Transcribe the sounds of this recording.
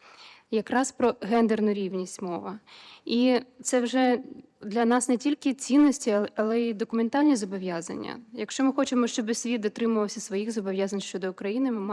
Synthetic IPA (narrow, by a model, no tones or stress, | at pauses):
jɐkɾɑspɾɔɦɛnd̪ernʊɾʲiwnʲisʲtʲmɔʋɐit̪sɛwʒɛ | d̪lʲɐnɑsnɛtʲilʲkɪt͡sʲinːɔsʲtʲiɐlˠɛid̪ɔkʊment̪ɑlʲnʲizɔbɔʋjazɐ̰nʲːɐ̰jɐkʃt͡ʃɔmɪxɔt͡ʃɪmɔʃt͡ʃɔbɪsʲʋʲid̪d̪ɔt̪ɾɪmʊʋɐwsʲɐsʋɔjixzɔbɔʋʲjazɐnʲʃt͡ʃɔd̪ɔʊkɾɐjinɪmɪm